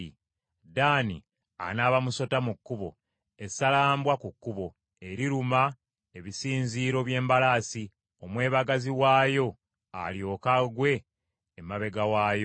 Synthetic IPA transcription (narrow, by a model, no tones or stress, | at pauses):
daːnḭ | a̰naːβamuso̞tamukːuβo̞ | e̞salaːmbwakukːuβo̞ | e̞ɾiɾuma | e̞βisiːnziːɾo̞βje̞ːmbalaːsi | o̞mwe̞ːβaɡaziwaːjo̞ | a̰ljo̞ːkaɡwe̞ː | maβe̞ɡawaːjo